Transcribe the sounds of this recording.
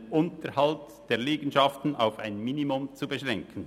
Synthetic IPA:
ʔʊntəɾhɑlt | d̥eːɐleːɡən̩ʃɑftn̩a̰ʊfaɪnminimʊmt͡subəʃʁɛŋkʰən̩

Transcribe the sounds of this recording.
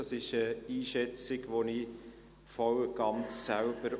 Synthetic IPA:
ɑsɪʃəiːʃɛt͡sɪɡʋoni | fɔwɡ̥ɑnt͡sːælb̥əɾ

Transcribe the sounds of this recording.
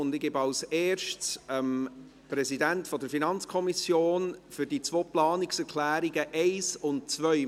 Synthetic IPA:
ʊndɪɡ̥ɪbɑlseːɾʃtsəm | pɾɛsidɛntfɔdəɾfinɑnt͡skʰɔmisjoːnfyɾd̥it͡svoːplɑːnɪksɛɾkʰlæːɾiɡəʔɛɪsʊnt̚t͡svœʏ

